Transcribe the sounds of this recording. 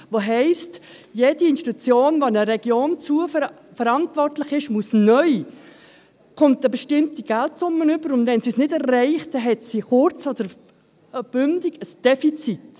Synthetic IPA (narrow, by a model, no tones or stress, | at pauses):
ʋoɦɛɪst | jed̥iɪnʃti̥t̪ut͡sjoːnʋoɪnəɾɛɡ̥joːnt͡suə | fəɾɑntvɔrtlɪχɪʃmusnœʏ | kʊntəbəʃtɪmtiɡ̥æltsʊmːənʏb̥əɾʊndvɛnsisnɪdɛrɛɪχtdɛɦɛtsiχʊɾt͡sod̪̥əɾ | b̥ʏndɪɡ̥əsd̥ɛfit͡sit